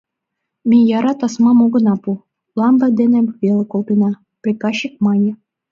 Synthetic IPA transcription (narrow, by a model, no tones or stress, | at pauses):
mʲijɑɾɑt̪ɑsmɑmoɡɤ̆nɑpu | lˠɑmbɑd̪enĕβʲelʲekolˠt̪inɑ | prʲikɑɕːik̚mɑnʲĕ